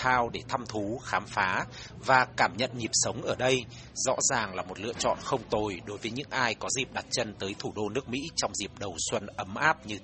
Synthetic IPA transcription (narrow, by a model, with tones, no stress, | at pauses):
aː˧wɗe˧˩t̪ʰa˧mt̪ʰu˨˦xaː˨˦mfaː˨˦ | vaː˨˩kaː˧˩mɲə̰˧˨nɲi˨˩p̚sə˨˦wŋ͡mʔəː˧˩ɗə˧j | zɔ̰˧˥zaː˨˩ŋlaː˨˩mo˨˩t̚lɨ̰˧˨ət͡ɕɔ̰˧˨nxə˧wŋ͡mt̪o˨˩jɗo˨˦jvəː˨˦jɲɨ̰˧˥ŋʔaː˧jkɔ˨˦zi˨˩p̚ɗa˨˩t̚t͡ɕə˧nt̪əː˨˦jt̪ʰu˧˩ɗo˧nɨ˦˥ək̚mḭ˧˥t͡ɕɔ˧wŋ͡mzi˨˩p̚ɗə˨˩wswə˧nʔə˨˦mʔaː˦˥p̚ɲɨ˧